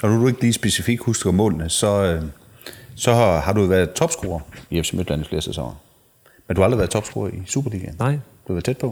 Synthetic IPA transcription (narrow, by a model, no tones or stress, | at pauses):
nɒnodue̝ɡ̥əliːsb̥e̝sifiɡ̥husd̥eɡɒmɔ̰̽ːlnəsɒ̽ | sɒ̽hɑ̈ɾuʋæɐðˠt͡sʰɒ̽b̥sɡ̥o̝ːɐiefsemy̥læn̩fle̝ːɐsesɑ̰ŋɐ | menduhɑld̥ʁiʋæɐt͡sʰɒ̽b̥sɡ̥o̝ːɐʔisṵːb̥ɐlḭɡ̥ænd̥u̥hɑʋæɐðˠt͡sʰed̥̚pʰɔ̽